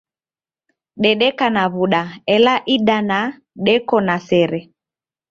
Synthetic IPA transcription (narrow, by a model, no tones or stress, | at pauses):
ɗɛɗɛkanaβuɗaɛlaʔiɗana | ɗɛkɔnasɛɾɛ